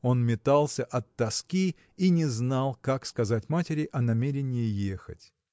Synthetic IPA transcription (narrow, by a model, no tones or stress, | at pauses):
o̞nmʲɪt̪alˠsʲəʔɐt̪ːɐskʲi | inʲɪznalˠkakskɐzatʲmatʲɪɾʲɪʔɐnɐmʲeɾʲɪnʲɪjɪjexə̰tʲ